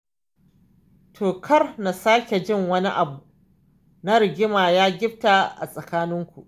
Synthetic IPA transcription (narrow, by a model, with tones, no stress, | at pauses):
tʰoː˨kʰɐ˦rna˨saː˦kʲe˨d͡ʒɪ˦ŋwɐ˦ni˦ʔa˨bu˨ | na˦ɾɪ˨ɡʲɪ˦maː˨jaː˦ɡʲɪ˦b̚ta˨ʔa̰˨sʼɐ˨kaː˦nɪ˦ŋkʷu˨ʔ